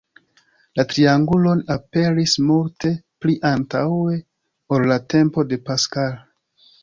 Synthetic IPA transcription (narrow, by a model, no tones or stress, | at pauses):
latɾiaŋɡulo̞nape̞ɾismulte̞pliʔantawe̞ | oɾlate̞mpo̞de̞paskal